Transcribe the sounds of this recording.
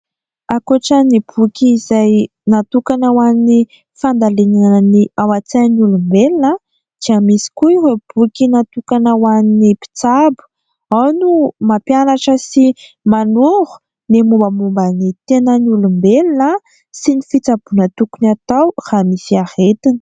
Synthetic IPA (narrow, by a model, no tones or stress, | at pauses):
akuʈ͡ʂənibukʲiːzaj | nat̪ukanəwani | fand̪alenanniawat͡sanulumbelinə | d̪̥iəmisi̥kuiweb̥ukʲinat̪ukanəwaninipi̥t͡sabu̥ | awnumapjanaʈ͡ʂəsi | manuɾu̥ | nemumbəmumbənit̪enənulumbelinə | sinifit͡sab̥unat̪ukunat̪awr̥amifiahet̪in̥